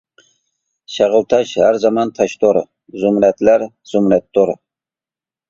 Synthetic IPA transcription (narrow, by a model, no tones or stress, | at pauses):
ʃɑʁəlˠt̪ʰɑʃhæɾzɑmɑnt̪ʰɑʃt̪ʰoɾ | zʊmɾɛt̪læɾ | z̥ʊmɾɛt̪ːoɾ